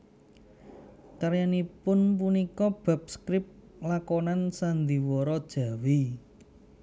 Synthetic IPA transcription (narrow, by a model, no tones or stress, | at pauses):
kəɾjanipʊnp̬unikɔb̥a̤p̚skɾɪp̚ | lakɔnansand̪iwɔɾɔd̥ʒ̥ä̤wi